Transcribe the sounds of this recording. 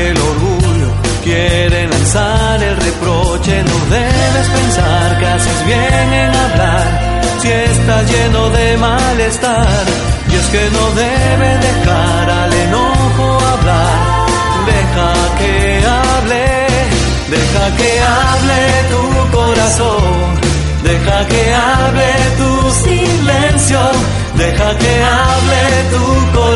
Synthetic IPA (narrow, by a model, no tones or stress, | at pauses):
elo̞ɾɣuʎo̞ | kjeɾe̞lansaɾe̞lre̞pɾo̞t͡ʃe̞noðe̞βe̞spe̞nsaɾkeasezβjeŋe̞naβlaɾ | siest̪aʝe̞no̞ðe̞ma | le̞st̪aɾ | je̞ske̞no̞ðeβeðe̞xa | ɾalenoxoaβlaɾ | d̪e̞xa | ke | a | βle | d̪e̞xakea | βle | t̪u | ko̞ɾaso | ŋ | d̪e̞xakeaβle | t̪usi | lensjo | d̪exakeaβle | t̪uko